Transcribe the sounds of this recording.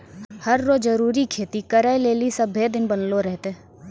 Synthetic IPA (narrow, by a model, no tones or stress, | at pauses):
hɐɾːoːzzəɾuːɾikʰeːt̪ikəɾaeleːlisəbʱed̪ɪnbənloɾɛɦt̪e